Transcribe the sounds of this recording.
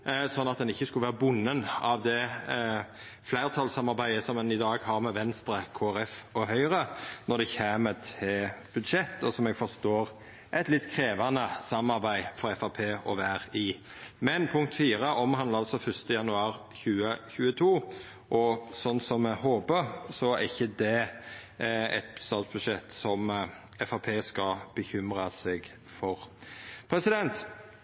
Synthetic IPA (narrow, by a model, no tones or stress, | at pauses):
sɔnːɑt̪̚d̪ɛnɪçːəskʉlʋæːʁəbʊnːənɑʋd̪ɛ | flæɪɾt̪ʰɑlsɑmɑɾbæɪəsɔmɛnɪd̪ɑːɡhɑɾmɛʋɛnst̪ɾəkʰoːæɾɛfɔɦœʏɾənɔd̪ɛçeːmət̪ʰɪb̥ʉd̪ʂɛt̪ːɔsɔmɛɡfɔɾst̪oːɾ | ʔɛɪt̪lɪt̪ːkʰɾeːʋɑnəsɑmɑɾbæɪfɔɾɛfɑpʰeːɔʋæɾiː | mɛnpʰʊŋkt̪fiːɾəʔɔmhɦɑnəɑlsɔfœst̪əjɑnʉɑːɾ | çʉːəçʉːət̪ʰuː | ʔɔsɔnːsɔmɛhoːbəɾsɔɛɾɪçːəd̪ɛ | ɛ̰t̪̚st̪ɑːt̪sb̥ʉd̪ʂʃɛt̪ːsɔm | ɛfɑpʰeːskɑb̥əçʏmɾɑsɛɡ | fɔɾpʰɾɛsɪd̪ɛnt̪